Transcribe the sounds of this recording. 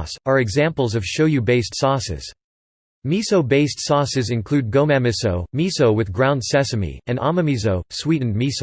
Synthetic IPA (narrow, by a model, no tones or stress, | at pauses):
sə˞ɨɡzæ̃mpl̩ˠzʌv̥ʃoʊjʉbeɪstsɔsɪ̰z̥ | misoʊbeɪstsɔsɨzɨ̃nkʰl̥ʉd̚ɡõʊmæmɨsoʊmisoʊwɨðɡɹãʊ̃ndsɛsɨmḭɨ̃nɑ̰məmizoʊswiʔn̩mis